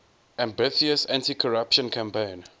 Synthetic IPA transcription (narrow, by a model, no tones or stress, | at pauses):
ʔæ̃mbɪθiəsãntikʰɔɹapʃə̃nkʰãmpẽn